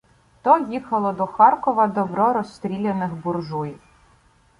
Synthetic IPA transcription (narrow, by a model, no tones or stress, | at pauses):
t̪ɔjixɐlˠɔd̪ɔxɑrkɔʋɐd̪ɔbɾɔɾɔst̪ɾʲilʲenɪxbʊrʒujiw